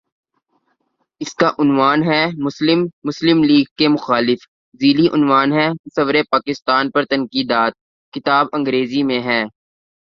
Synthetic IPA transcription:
ɪskaʔʊnʋaːnɦɛmʊslɪmːʊslɪmliːɡ̚kːemʊxaːlɪf | ziːliʔʊnʋaːnɦɛːsɐʋɾepaːkɪst̪aːnpɐɾt̪ɐnkiːd̪aːt̪̚ | kɪt̪aːbɐ̃ŋɡɾeːzimẽɦɛː

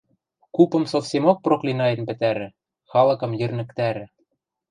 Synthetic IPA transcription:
kupɤ̆msofsʲemok̚proklinɑjɤ̆npɘ̆t̪æɾɘ̆ | xɑlɤ̆kɤ̆mjɘ̆rnɘ̆kt̪æɾɘ̆

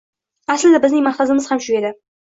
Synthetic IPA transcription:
aslɪd̪abɪznɪŋmɑht̪azɪmɪz̥hamʃʊɡʲe̞d̪ɪ

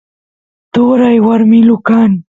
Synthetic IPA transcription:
t̪oɾajwaɾmilukaːn

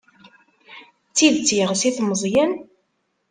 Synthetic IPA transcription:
t͡sːiðt͡sːjʁsiθməzˤjæn

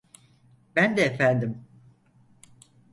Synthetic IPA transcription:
bænd̪ɛefænd̪im

